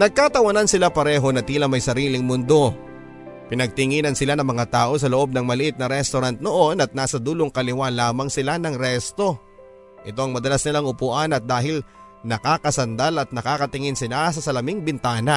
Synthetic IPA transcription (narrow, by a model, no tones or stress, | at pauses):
nɐɡ̚kat̪ɐwɐnansɪlapɐɾɛːɦo̞nɐt̪iːlɐmɐjsɐɾiːlɪŋmʊnd̪o̞ | pɪnɐɡ̚t̪ɪŋiːnɐnsɪlanɐŋmɐŋat̪aːʔo̞s̬ɐloʔo̞b̚nɐŋmɐlɪʔɪt̪̚nɐɾɛst̪oɾant̪̚no̞ʔo̞nɐt̪̚naːsɐd̪uːloŋkɐlɪwalaːmɐŋsɪlanɐŋɾɛst̪o̞ | ʔɪt̪o̞ʔɐŋmɐd̪ɐlasnɪlaŋʔʊpuːʔanɐt̪̚d̪aːɦɪl | nɐkaːkɐsɐnd̪alɐt̪̚nɐkaːkɐt̪ɪŋɪnsɪlas̬ɐsɐlɐmɪŋbɪnt̪aːnɐ